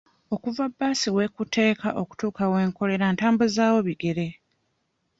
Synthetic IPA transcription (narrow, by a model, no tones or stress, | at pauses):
o̞kuvabːaːsiwe̞kute̞ːkaʔo̞ku̥tuːkawe̞ːŋko̞le̞ɾantaːmbuzaːwo̞βiɡe̞ɾe̞